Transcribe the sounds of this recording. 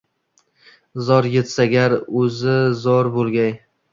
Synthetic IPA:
zɒɾjet̪saɡʲaɾɵzɪzɒɾbolˠɡʲaj

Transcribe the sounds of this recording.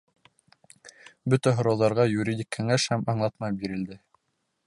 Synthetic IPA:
bɵt̪æɦŏɾɑwðɑɾʁɑjuɾʲidʲikːɘ̆ŋæʃhæmɑɴlˠɑt̪mɑbiɾɘ̆ld̪ɘ

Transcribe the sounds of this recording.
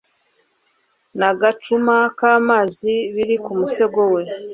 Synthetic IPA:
naɡat͡ʃumakaːmaːziβiɾikumuse̞ɡowe̞

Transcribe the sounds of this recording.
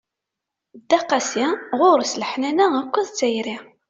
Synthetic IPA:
d̪ːæqːɑsiʁʊɾsləħnænæækʷːəðt͡sːæjɾi

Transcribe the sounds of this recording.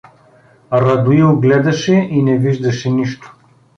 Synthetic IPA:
ɾɐd̪uiʊɡlɛd̪ɐʃɛʔinɛviʒd̪ɐʃɛniʃt̪o̥

